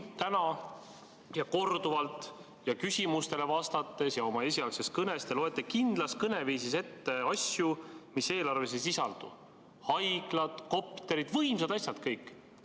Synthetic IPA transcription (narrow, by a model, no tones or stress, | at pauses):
t̪ænɑ | jɑko̞rd̪̥uvɑlt̪ˑ | jɑkysʲimust̪e̞le̞vɑst̪ɑt̪ːˑe̞sjɑo̞mɑe̞sʲiɑlseskɤne̞st̪elo̞e̞t̪ːˑekind̪̥lɑskɤne̞viːsise̞t̪ːe̞ɑsʲjumise̞ːlɑrve̞s̬es̬isɑld̪̥ṵ | hɑjɡ̥lɑd̪̥ko̞pi̥t̪ːˑeɾid̪̥vɤjmsɑd̪̥ɑsʲjɑd̪̥kɤjkːˑ